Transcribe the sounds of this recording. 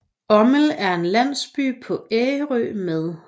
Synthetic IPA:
ɒ̽məl̩æɐe̝nlæn̰sb̥y̰ːpʰɒ̽eːɪəʁø̰ːmeðˠ

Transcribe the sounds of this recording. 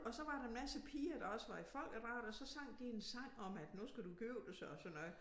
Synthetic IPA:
ɒ̽sɒ̽ʋɑ̈ɾɑ̈enmæsəpʰiːɐd̥ɑ̈ɒ̽səʋɑ̈ifɒ̽l̰ɡ̥əʁɑ̈ːd̥ɒ̽sɒ̽sɑ̈ŋ̰d̥iensɑ̈ŋ̰ɒ̽mæd̥nusɡ̥æduɡ̥øʊd̥esɒsɒnːɔðˠ

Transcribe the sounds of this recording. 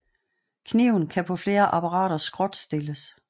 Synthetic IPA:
kʰniʊ̰n̩kʰæpʰɒ̽fle̝ːɐʔɑpʰɑʁɑ̰̈ːɾ̥ɐsɡ̥ʁɔ̽d̥sd̥e̝ləs

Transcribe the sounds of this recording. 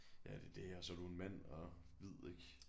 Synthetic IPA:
jæd̥e̝d̥eɒsɒ̽ɾ̥ue̝nmæn̰ɒ | ʋið̞̰ˠeɡ̥

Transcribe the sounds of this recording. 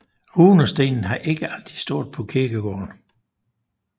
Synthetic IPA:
ʁuːnɒ̽sd̥e̝̰ːnn̩ɦɑ̈ʔe̝ɡ̥əʔæld̥ʁisd̥o̝ɐ̰d̥̚ˠpʰɒ̽kʰiɐɡ̥əɡ̥ɒ̰ːn

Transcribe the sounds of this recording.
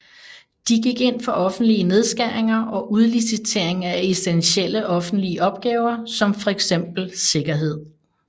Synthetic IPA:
d̥iɡ̥iɡ̥e̝n̰fɒ̽ʔɒ̽fn̩d̥liəne̝ð̞ˠsɡ̥æɐeŋɐʔɒ̽ʔuð̞ˠlisit͡sʰe̝ɐ̰e̝ŋæesd̥enɕel̰əʔɒ̽fn̩d̥liəʔɒ̽b̥̚ɡ̥ɛːʊɐsɒ̽mfɒ̽eɡ̥sem̰b̥l̩se̝ɡ̥ɐɦe̝ð̰ˠ

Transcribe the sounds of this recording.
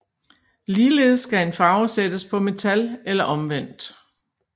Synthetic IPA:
liːle̝ːð̞̩ˠsːɡ̥æe̝nfɑ̈ʊsed̥əspʰɒ̽me̝t͡sʰælelɐʔɒ̽mʋen̰d̥

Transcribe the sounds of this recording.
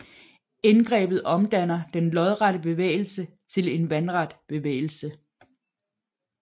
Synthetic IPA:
enɡ̥ʁɛ̰ːb̥ð̩ˠɒ̽md̥æn̰ɐd̥enlɒ̽ðˠʁaɾəb̥e̝ʋḛːɪl̩sə | t͡sʰe̝le̝nʋænʁɑd̥b̥e̝ʋḛːɪl̩sə

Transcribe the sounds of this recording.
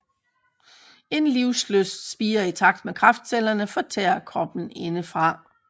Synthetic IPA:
e̝nliʊsløsd̥sb̥iːɐit͡sʰɑ̈ɡ̥̚d̥mekʰʁɑ̈fd̥sel̰ɐnəfɒ̽t͡sʰɛ̰ːɐkʰɒ̽b̥n̩e̝nəfʁɑ̈

